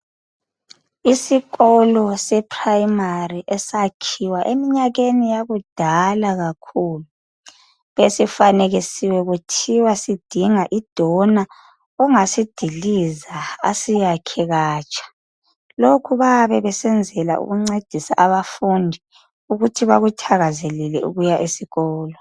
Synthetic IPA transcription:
isiɣɔlɔsɛpʰrajmariʔɛsakʰiwaʔemiɲaɣenijaɣud̥ʱalaɣakʰuːlu | βesifaneɣisiwɛɣutʰiwasid̥ʱiŋaʔid̥ʱɔna | ɔŋasid̥ʱiliza̰ːsijakʰɛɣaːt͡ʃʼḁ | lokʰuβaβɛβɛsɛnd͡zʱɛla̰ʔṵɣuŋ͡ǀed̥ʱisa̰ʔaβafundʱi | uɣutʰiβaɣutʰaɣazelilɛʔṵɣujaʔisiɣɔːlɔ

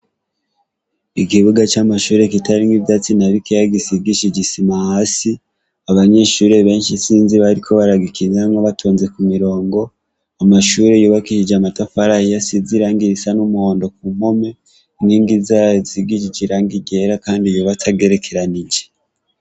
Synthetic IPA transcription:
ikiβuɡat͡ʃamaʃuːɾe̞kitaɾiŋɡivjat͡sinaβikejaɡisiɡiʃid͡ʒisimahaːsi | aβaɲe̞ʃuɾe̞βe̞ːnʃisiːnziβaɾikʰo̞βaɾaɡikʰinaŋoβatʰuːnze̞kumiɾo̞ːŋɡo̞ | amaʃuːɾe̞joβakiʃid͡ʒamatafaɾahijasiziɾaːŋɡiɾisanumuho̞ːndo̞k̚umo̞me̞ | niːŋɡizaziɡid͡ʒid͡ʒiɾaːŋɡiɡe̞ɾakaːndijoβatʰaɡe̞ɾe̞kʰe̞ɾanid͡ʒe

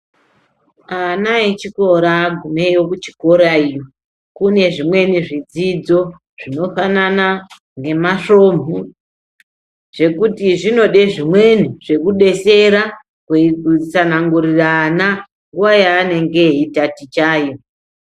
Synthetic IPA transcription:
anaet͡ʃiko̞ɾaɡʱumejo̞kut͡ʃi̥ko̞ɾaijo | kune̞ʐimwe̞niʐid͡zid͡zo̞ | ʐ̥ino̞fanana | ŋɡe̞maʂo̞ːmbʱu | ʐ̥e̞kutiʐino̞ɗe̞ʐimwe̞niʐ̥e̞kuɗe̞se̞ɾa | kwekut͡sanaŋɡuɾiraːna | ŋɡuwajaːne̞ŋɡe̞itatit͡ʃaːjo̞

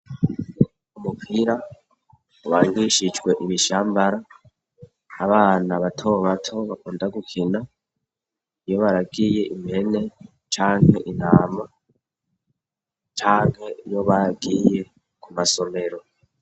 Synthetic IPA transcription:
umupʰiːɾa | uwaːŋɡiʃit͡ʃɡwe̞ʔiβiʃaːmbaɾa | βaːnaβatʰo̞βatʰo̞βakuːndaɡukʰina | ijo̞βaɾaɡiːje̞ʔimihe̞ne̞ | t͡ʃaːŋhe̞ʔin̥aːma | t͡ʃaːŋ̥he̞ijo̞βaaɡiːje̞ | kʰumaso̞me̞ɾo̞

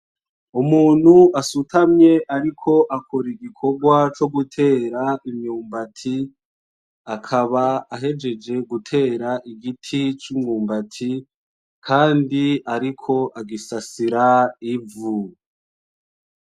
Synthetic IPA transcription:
umuːn̤̥huʔasutamɲe̞ʔaɾikʰo̞ʔakʰoɾiɡikʰo̞ɡwat͡ʃo̞ɡutʰe̞ːɾaimɲuːmbatʰi | akʰaβaːɦe̞d͡ʒe̞d͡ʒe̞ɡutʰe̞ːɾaʔiɡitʰit͡ʃumuːmbatʰi | kʰaːndiaɾikʰo̞ʔaɡisasiɾaivu

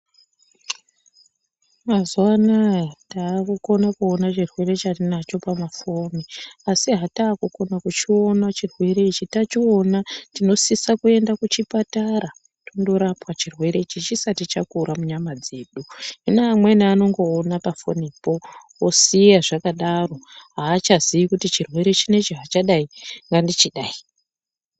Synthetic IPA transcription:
mazwanataːkuko̞nakuonat͡ʃirwe̞re̞t͡ʃarinat͡ʃo̞pamafo̞niasiɦataːkuko̞nakut͡ʃio̞nat͡ʃirwe̞ɾe̞it͡ʃitat͡ʃio̞natino̞sisakue̞ndakut͡ʃipataɾa | tondo̞ɾapwat͡ʃirwe̞ɾe̞it͡ʃit͡ʃisatit͡ʃakuɾamuɲamad͡ze̞ːɗuɦinamwenaːno̞ŋɡo̞ːnapafo̞̰nipo̞wosijaʐakaɗaro̞ɦaːt͡ʃazijikutit͡ʃirwe̞ɾe̞t͡ʃine̞t͡ʃiɦat͡ʃaɗaiŋɡandit͡ʃiɗaːi

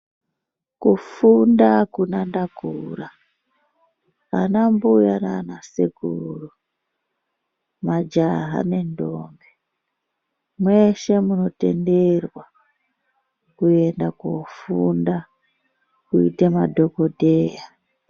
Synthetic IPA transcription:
kufundakunandakura | nambujananasikuru | mad͡ʒaɦa̰ne̞ndoːmbe | mwe̞ʃe̞muno̞te̞̰nde̞rwa | kue̞ndakofunda | kuḭtemadʱo̞kodʱeːja

